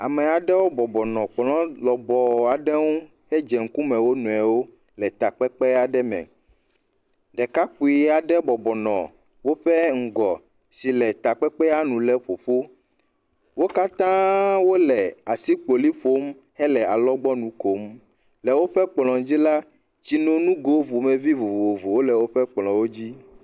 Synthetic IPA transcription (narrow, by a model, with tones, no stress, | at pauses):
a̰˨mɛ˨a˨ɖɛ˦wo˦bɔ˨bɔ˨nɔ̃˨k͡plɔ̃˦lɔ˨bɔ˨a˨ɖɛ˦ŋũ˦ | hɛ˦d͡ʒɛ˨ŋ̩˦ku˦mɛ̃˨wo˦nũ˨ɛ˨wo˦ | lɛ˨t̪a˨k͡pɛ˦k͡pɛ˦a˨ɖɛ˦mɛ̰̃˨ | ɖɛ˨ka˦k͡pu˨i˨a˨ɖɛ˦bɔ˨bɔ˨nɔ̰̃˨ | wo˦ɸɛ˦ŋ̩˨ɡɔ˨ | si˨lɛ˨t̪a˨k͡pɛ˦k͡pɛ˦a˦nũ˨lɛ˦ɸo˨ɸo˦ | wo˦ka˦t̪ã˦wo˦lɛ˨a˨si˦k͡po˨li˦ɸo˦m | hɛ˦lɛ˨a˨lɔ˦ɡ͡bɔ˦nũ˨ko˨˦m | lɛ˨wo˦ɸɛ˦k͡plɔ̃˨d͡ʑi˦la˦ | t͡ɕi˦nõ˦nũ˦ɡo˦vu˨mɛ˨vi˦vo˨vo˨vo˨wo˦lɛ˨wo˦ɸɛ˦k͡plɔ̃˨wo˦d͡ʑi˦